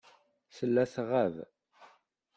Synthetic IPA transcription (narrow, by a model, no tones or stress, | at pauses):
səlːæθʁæv